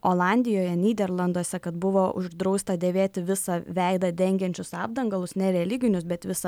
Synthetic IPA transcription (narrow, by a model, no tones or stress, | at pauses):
oːlˠɑːnʲd̪ʲɪjoːjɛnʲiːd̪ʲɛrlˠɐnd̪oɔsʲɛkɐt̪bʊʋoːʔʊ̰ʒd̪ɾɒʊst̪ɐd̪ʲeːʋʲeːt̪ʲɪʋʲɪsɐʋʲɛɪd̪ɐd̪ʲɛŋʲɡʲɛnʲt͡ʃʲʊsɑːbd̪ɐŋɡɐlˠʊsnʲɛɾʲɛlʲɪɡʲɪnʲʊsbʲɛt̪ʋʲɪsɐ